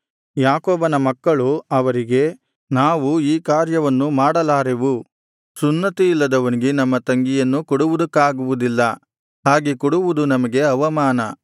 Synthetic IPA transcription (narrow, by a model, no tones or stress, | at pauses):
jaːkoːbɐnɐmɐkːɐɭuɐʋɐɾiɡe̞ | naːʋuiːkaːɾjɐʋɐnːumaːɽɐlaːɾeʋu | sunːɐt̪ilːɐd̪ɐʋɐniɡe̞nɐmːɐt̪ɐŋɡijɐnːukɔɽuʋud̪ɐkːaːɡuʋud̪ilːɐ | ɦaːɡekɔɽuʋud̪unɐmɐɡe̞ɐʋɐmaːnɐ